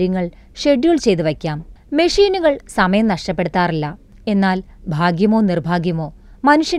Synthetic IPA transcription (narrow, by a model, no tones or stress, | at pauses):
ɾjɐŋːɐɭ | ʂe̞ɖjuːɭt͡ɕe̞jt̪ɨʋɐkʲːaːmmeʂiːnuɣɐɭsɐmɐjɐmnɐʂʈɐpːe̞ɽut̪ːaːrilːɐ | e̞nːaːlbʱaːɡjɐmo̞ːnirbʱaːɡjɐmo̞ː | mɐnuʂjɐ